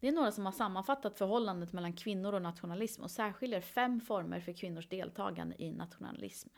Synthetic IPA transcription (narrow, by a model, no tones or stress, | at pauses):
d̪̥ɛæɳoːɾasɔmhaʂamːanfat̪ːat̪fœɾɦɔlːand̪ət̪mɛlːankʰvɪnːʊɾɔnat̪ɧʊnalɪsmɔ̰sæːɾɧɪld̪aɾfɛmːfɔɾmə̰ɾfœɾkʰvɪnːʊʂd̪eːlt̪ʰɑ̰ːɡa̰nd̪ə̰ʔɪnʔa̰t̪ɧʊna̰lɪ̰sm